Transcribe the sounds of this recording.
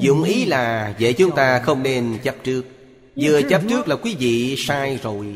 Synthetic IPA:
zʊ̰˧˨ŋ͡mʔi˨˦laː˨˩zḛ˧˨t͡ɕʊ˨˦ŋ͡mt̪aː˧xə˧wŋ͡mne˧nt͡ɕə˦˥p̚t͡ɕɨ˦˥ək̚ | zɨ˧˩ət͡ɕə˦˥p̚t͡ɕɨ˦˥ək̚laː˨˩kwi˨˦vḭ˧˨saː˧jzo˨˩j

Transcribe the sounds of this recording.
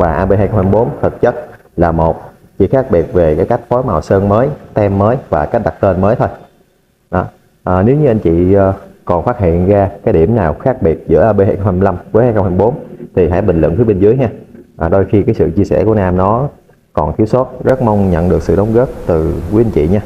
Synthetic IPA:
vaː˨˩ʔaː˧ɓe˧ɦaː˧jxŋ͡mhaː˧m˧˩ɓo˨˦nt̪ʰə˨˩t̚t͡ɕə˦˥t̚ | laː˨˩mo˨˩t̚ | t͡ɕḭ˧˨xaː˦˥k̚ɓi˨˩ət̚ve˨˩kaː˨˦jka˦˥jk̟̚fɔ˨˦jma˨˩wsəː˧nməː˨˦jt̪ɛ˧mːəː˨˦jvaː˨˩ka˦˥k̚ɗa˨˩t̚t̪e˧nməː˨˦jt̪ʰo˧j | ɗɔ˨˦ | ʔːne˨˦wɲɨ˧ʔa˧ŋ̟t͡ɕḭ˧˨˧kɔ˨˩nfaː˦˥t̚hɦḭ˧˨ənzaː˧kaː˨˦jɗi˧˩əmnaː˨˩wxaː˦˥k̚ɓi˨˩ət̚zɨ̰˧˥əʔːɓe˧haː˧jxə˧ŋ͡mhaː˧la˧mku˨˦jhaː˧jxə˧whaː˧˩ɓo˨˦nt̪ʰi˨˩ɦa̰ː˧˥˦jɓï˨˩ŋ̟lw̰ə̰˧˨nt̪ʰɨ˨˦ɓe˧nzɨ˨˦əjɲaː˧ʔːɗo˧jxi˧kaː˨˦jsɨ̰˧˨t͡ɕi˧sɛ̰˧˩ku˧˩ənaː˧mnɔ˨˦ | kɔ˨˩nt̪ʰi˨˦wsə˦˥t̚zə˦˥t̚ma˧wŋ͡mɲə̰˧˨nɗɨ˨˩ək̚sɨ̰˧˨ɗə˨˦wŋ͡mɣəː˦˥p̚t̪ɨ˨˩vu˨˦ʔa˧ŋ̟t͡ɕḭ˧˨ɲaː˧

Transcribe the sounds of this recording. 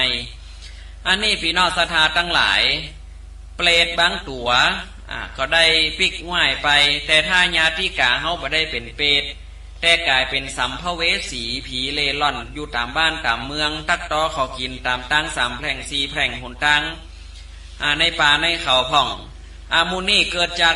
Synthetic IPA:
j | ʔa˧nːiː˧˥˩piː˨˦nɔː˧˥˩k̚sa˧t̪ʰaː˨˧˦t̪ʰa˧˨ŋla̰ː˨˦j | pleː˧t̪̚baː˧˥˨ŋt̪u˨˦ɐ | ʔa̰˧˩kɔː˧˩da˥˩˨jpi˧˩k̚ŋaː˧˥˩jpa˨jt̪ɛː˧t̪ʰaː˧˩ɲaː˧˥t̪iː˧˥˨kaː˨ɦa˧˨wbɔː˨˦da˥˩˨jpe˨npeː˧t̪̚ː | ɛː˧˩kaː˨jpe˨nsa˨˦mpʰa˧weː˧˥siː˨˦pʰiː˨˦leː˧˩lɔ˧˥˩njuː˧˩t̪aː˨˩mbaː˥˨nt̪aː˨˩mːɯ˧əŋt̪a˧˩k̚t̪ɔː˧˦kʰɔ˨˩wki˨nt̪aː˨mt̪aː˧˥˨ŋsaː˨˦mpʰlɛː˧˩ŋsiː˧˩pʰlɛː˧˩ŋho˨˦nt̪aː˧˥ŋ | ʔa˧˩na˧˩jpaː˨˧na˧˥˩jkʰa˨˩wpʰɔ˧˩ŋ | ʔa˧˩muː˧˥˨nːiː˥˩˨kɤː˧t̪̚t͡ɕaː˧k̚

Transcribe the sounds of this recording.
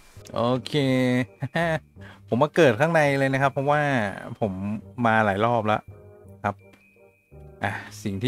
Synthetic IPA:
ʔoː˧kʰeː˧˥˩ | pʰo˩˦mːaː˧kɤː˨˩t̪̚kʰaː˥˩ŋna˧jlɤː˧jna˦˥kʰa˦˥pʰːɔ˦˥waː˥˩pʰo˩˦mːaː˧laː˩˦jlɔː˥˩p̬̚la̰˦˥ʔkʰa˦˥p̚ | ʔa˧˩si˨˩ŋt̪ʰː

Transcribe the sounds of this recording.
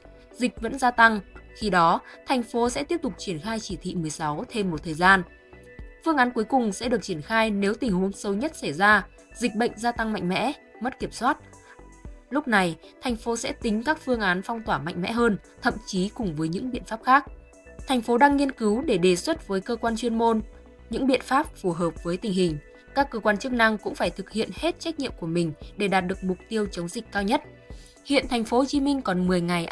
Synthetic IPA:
zi˨˩k̟̚və̰˧˥nzaː˧t̪a˧ŋxi˧ɗɔ˨˦t̪ʰa˨˩jŋ̟fo˨˦sɛ̰˧˥t̪i˦˥əp̚t̪ʊ˨˩k͡p̚t͡ɕi˧˩ənxaː˧jt͡ɕi˧˩t̪ʰḭ˧˨mɨ˨˩əjsa˨˦wt̪ʰe˧mː˨˩t̚t̪ʰəː˨˩jzaː˧n | fɨ˧əŋʔaː˨˦nku˨˦jkʊ˨˩ŋ͡msɛ̰˧˥ɨ˨˩ək̚t͡ɕi˧˩ənxaː˧jne˨˦wt̪ï˨˩ŋ̟ho˨˦nsə˨˦wɲə˦˥t̚sa˧˩jzaː˧ | zï˨˩k̟̚ɓə̰˧˨jŋ̟zaː˧t̪a˧ŋma̰˧˨ŋ̟mɛ̰˧˥ | mə˦˥t̚ki˧˩əmswaː˦˥t̚ | lʊ˦˥k͡p̚na˨˩jt̪ʰa˨˩j̟fo˨˦sɛ̰˧˥t̪ï˨˦ŋ̟kaː˦˥k̚fɨ˧əŋʔaː˨˦nfɔ˧wŋ͡mt̪waː˧˩ma̰˧˨ŋ̟mɛ̰˧˥ɦəː˧n | t̪ʰə̰˧˨mt͡ɕi˨˦kʊ˨˩ŋ͡mvəː˨˦jɲɨ̰˧˥ŋɓḭ˧˨ənfaː˦˥p̚xaː˦˥k̚ | t̪ʰa˨˩jŋ̟fo˨˦ɗaː˧ŋːi˧ənkɨ˨˦wɗe˧˩ɗe˨˩swə˦˥t̚vəː˨˦jkəː˧kwaː˧nt͡ɕwi˧ənmo˧n | ɲɨ̰˧˥ŋɓḭ˧˨ənfaː˦˥p̚fu˧˩ɦəː˨˩p̚vəː˨˦jt̪ï˨˩ŋ̟hï˨˩ŋ̟ | kaː˦˥kːəː˧kwaː˧nt͡ɕɨ˦˥ək̚na˧ŋkʊ̰˧˥ŋ͡mfaː˧˩jt̪ʰɨ˨˩k̚hḭ˧˨ənhe˦˥t̚t͡ɕa˦˥k̟̚ɲḭ˧˨əmku˧˩əmï˨˩ŋ̟ɗe˧˩ɗaː˨˩t̚ɗɨ˨˩ək̚mʊ˨˩k͡p̚t̪i˧əwt͡ɕə˨˦wŋ͡mzï˨˩k̟̚kaː˧wɲə˦˥t̚ | hḭ˧˨ənt̪ʰa˨˩ŋ̟fo˨˦t͡ɕi˨˦mï˧ŋ̟kɔ˨˩nmɨ˨˩əjŋa˨˩jʔ

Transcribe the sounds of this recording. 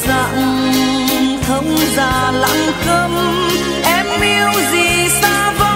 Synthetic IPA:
za̰ː˧˨ŋ | t̪ʰə˧˦˩wŋ͡mzaː˨˩la̰˧˥ŋkə˧m | ʔɛ˧mʔi˧əwzi˨˩saː˧˥və˧˦

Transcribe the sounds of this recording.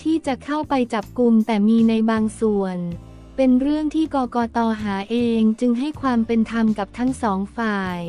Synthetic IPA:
t̪ʰiː˥˩t͡ɕa˨˩kʰa˥˩wpa˧jt͡ɕa˨˩p̚ku˧mt̪ɛː˨˩miː˧na˧jbaː˧ŋsu˨˩ən | pe˧nɾɯ˥˩əŋt̪ʰiː˥˩kɔː˧kɔː˧t̪ɔː˧ɦaː˩˦ʔeː˧ŋt͡ɕɯ˧ŋɦa˥˩jkʰwaː˧mpe˧nt̪ʰa˧mka˨˩p̚t̪ʰa˦˥ŋsɔː˩˦ŋfaː˧j

